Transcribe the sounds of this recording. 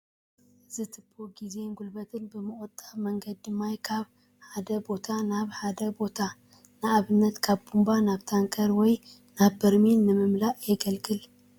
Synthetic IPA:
zɨt̪ʰɨpʰːoɡize̞ŋɡulbɐt̪ʰɨnbɨmɨʔʼʊt̪ʼamɐŋɡɐd̪̚ːɨmːajkʰaβ | ħad̪ɐbo̞t̪ʰanaβħad̪ɐbo̞t̪ʰa | nɨʔaβɨnːɐt̪kʰaβbumbanaβt̪ʰaŋkʰɐɾwɔj | naβːɐɾminːɨmɨmlaʔjɛɡɐlɡɨl

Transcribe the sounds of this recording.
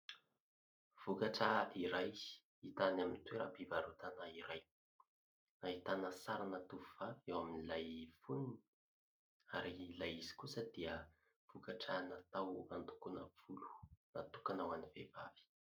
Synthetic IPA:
v̥ukaʈ͡ʂəiɾaj | it̪anamint̪weɾapivaɾut̪anaiɾaj | nait̪anəsaɾanat̪uvuv̥aviewaminilajfunini̥ | aɾilajizi̥kusəd̪iə | v̥ukaʈ͡ʂənat̪awant̪u̥kunav̥ulu̥nat̪ukanawanivevavi̥

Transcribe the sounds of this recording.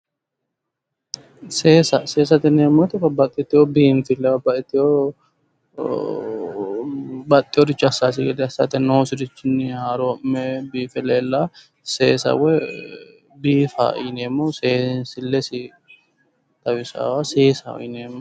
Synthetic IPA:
seːsɐseːs̬ɐt̪ɛneːmːɔt̪ɪbɐbːɐt̪ʼːɪt̪ːɪhobiːnfɪlːɛbɐbaɪt̪ːɪjo | bɐt̪ʼːɪjɔd̪ɪt͡ʃːɐsːaːs̬ɪɡɛd̪ɛɐsːa̰t̪ɛnoːsɪd̪ɪt͡ʃːɪnːɪhaːɾoɪmːɛbiːfɛleːlːa | seːsɐ̰wɛ | biːfa̰ʔɪ̰neːmːoseːnsɪlːɛsɪ | t̪ɐwɪsa̰waseːsɐ̰w̰ɪneːmːɐ

